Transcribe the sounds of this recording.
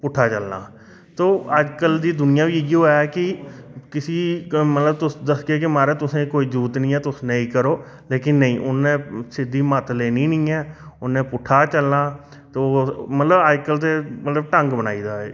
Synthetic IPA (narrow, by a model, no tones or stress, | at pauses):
pʊʈʰːaːt͡ʃəlna̰ː | t̪oːəd͡ʒkəld̪iːd̪ʊnɪjãːʋiːɪɡiɦoːjaɛkɪkɪsiːmət̪ləbt̪ʊsd̪əskeːkɪmaːɾeːt̪ʊsẽːkoːiːd͡ʒuːt̪nĩːɛːt̪ʊsneĩːkəɾoː | leːkɪnːəĩːʔʊnːẽːsɪd̪iːmət̪leːnĩːnĩːɛːʊnẽːpʊʈʰaːt͡ʃəlnaː | t̪eoːmət̪ləbəd͡ʒkəlt̪̬eːmət̪ləbʈə̃ŋɡbənaːiːd̪aːɛ̰ː